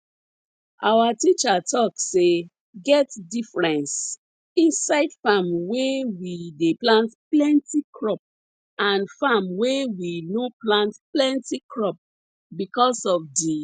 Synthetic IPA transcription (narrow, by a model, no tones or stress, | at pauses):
ʔawatit͡ʃatɔkse | ɡɛtdifɹɛ̃ns | ĩnsaɪdfamwewideplãntplɛ̃ntikɹɔp̚ | ãnfamwewinoplãntplɛ̃ntikɹɔp̚ | bikɔsɔfdi